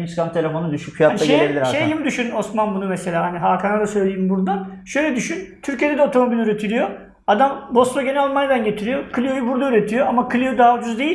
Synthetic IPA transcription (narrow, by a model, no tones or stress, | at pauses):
t͡ʃkant̪ʰe̞lʲe̞fo̞nud̪yʃycfijataaɡʃelʲebilʲiɾaʃejjimid̪yʃyno̞smanbunumese̞lʲaːɦaniɦaːkʰanad̪asø̞jlʲejimbuɾd̪anʃø̞jlʲɛd̪yʃynt̪ʰyɾcied̪ed̪ɛo̞t̪ʰo̞mo̞bilʲyɾe̞t̪ʰilʲijo̞ | ad̪ambo̞st̪oɟenɛlʲalmanjad̪anɟe̞t̪ʰiɾijo̞kʰɯlʲijo̞jubuɾd̪ayɾe̞t̪ʰijo̞amakʰɯlʲijod̪aːvd͡ʒuzd̪e̞jilʲ